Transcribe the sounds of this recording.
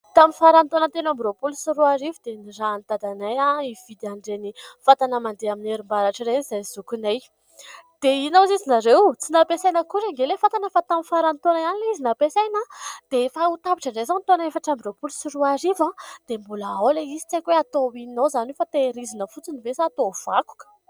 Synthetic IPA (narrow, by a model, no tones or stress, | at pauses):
t̪aminfaɾant̪onənt̪enambiɾopulusiɾuaɾivid̪̥eniraːnt̪ad̪anajaiv̥id̪iaɳɖ͡ʐenifat̪anəmand̪eamineɾimbaɾaʈ͡ʂiɾenizajzukunaj | d̪̥einazizinaɾewt͡sinapesajnəkuɾeŋɡelefat̪anefat̪amifaɾant̪onaanilizinapesajnad̪̥eefaut̪apiʈ͡ʂaɳɖ͡ʐejzant̪onefaʈ͡ʂambiropulusiruaɾivãd̪̥embuləawleizi̥t͡sajkweat̪oinozanufat̪eɾizinəfut͡sinivesaːt̪ov̥aku̥kə̥